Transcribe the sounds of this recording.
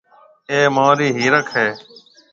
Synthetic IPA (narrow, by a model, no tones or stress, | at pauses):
eːmaːɾiːɦiːɾəkʰɦeː